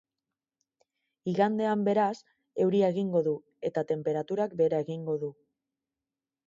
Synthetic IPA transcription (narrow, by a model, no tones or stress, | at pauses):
iɣand̪e̞ambe̞ɾas | e̞wɾiae̞ɣiŋɡo̞ðu | e̞t̪at̪e̞mpe̞ɾat̪uɾakbeɾae̞ɣiŋɡo̞ðu